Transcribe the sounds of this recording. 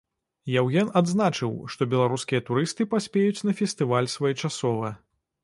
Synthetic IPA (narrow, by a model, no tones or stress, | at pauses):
jawɣʲɛnad̪znat͡ʂɨwʂt̪ɔbʲɛlˠaɾuskʲijɐt̪uɾɨst̪ɨpasʲpʲejut͡sʲnɐfʲɛst̪ɨvalʲsvɔjɛt͡ʂasɔvɐ